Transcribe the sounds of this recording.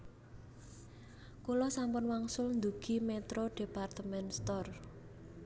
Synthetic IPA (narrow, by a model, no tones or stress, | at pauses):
kulɔsampʊnwaŋsʊlnd̪uɡ̥i̤met̪ɾoɖ̥e̤part̪əmɛnst̪ɔr